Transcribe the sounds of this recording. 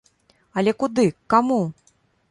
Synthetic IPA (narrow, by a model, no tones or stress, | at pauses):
ɐlʲɛkud̪ɨkamu